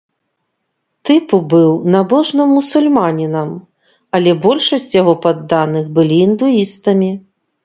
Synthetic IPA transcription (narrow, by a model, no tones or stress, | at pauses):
t̪ɨpubɨwnabɔʐnɐmːusulʲmanʲinɐm | ɐlʲɛbɔlʲʂɐsʲt͡sʲjaɣɔpad̪ːanɨxbɨlʲiːnd̪uist̪ɐmʲi